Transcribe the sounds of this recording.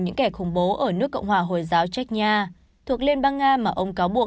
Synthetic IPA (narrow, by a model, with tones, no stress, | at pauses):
ɲɨ̰˧˥ŋkɛ˧˩xʊ˧˩ŋ͡mɓo˨˦ʔəː˧˩nɨ˦˥əkːə̰˧wŋ͡mhwaː˨˩ɦo˨˩jzaː˨˦wt͡ɕa˦˥k̚ɲaː˧ | t̪ʰu˨˩ək̚li˧nɓaː˧ŋːaː˧maː˨˩ʔə˧wŋ͡mkaː˨˦wɓu˨˩ək